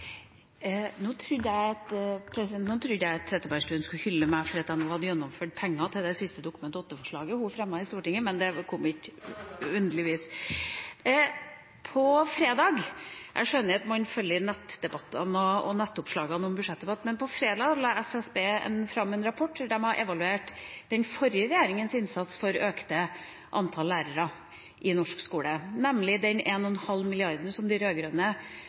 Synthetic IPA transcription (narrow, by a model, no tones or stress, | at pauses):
noːt̪ʰɾʉd̪jæɪɑt̪pʰɾɛsɪd̪ɛnt̪nːt̪ʰɾʉd̪jæɪɑt̪t̪ʰːɾɛt̪ːəbæɾʂʈʉːənskʉhʏlːəmæɪfɔɾiːɑt̪æɪnuːhɑd̪ːəjɛnːɔmføːʈpʰɛŋːɑt̪ʰɪld̪ɛsɪst̪əd̪ʊkʉmɛnt̪ɔt̪ːəfɔʂɭɑːɡəhʊfɾɛmːɑɪst̪uːʈɪŋːəmɛnd̪ɛkʰɔmːɪtː | ʉnd̪əlɪʋiːs | pʰɔfɾeːd̪ɑːɡʔæ̰ɪʂœnːəɑt̪mɑnfœlːjənɛt̪ːd̪ɛbɑt̪ːɑnɔɔnɛt̪ːʊpʂlɑːɡɑnɔmbʉʂɛt̪̚d̪ɛbɑt̪ːmɛnpʰɔfɾeːd̪ɑːɡlɑːɛsɛsbeːɛ̰nfɾɑmːɛnɾɑpʰɔʈːɖæmɑʔɛʋɑlʉeːʈd̪ɛnfɔɾjəɾɛjæːɾɪŋənsɪnsɑt̪sfɔɾøːkt̪ə | ʔɑnt̪ʰɑlːæːɾəɾɑ | ʔɪnɔʂkskuːlənɛmlɪd̪ɛneːnɔɛnhɑlːmɪlɪɑɾd̪n̩sɔmd̪ɪɾøːɡɾœnə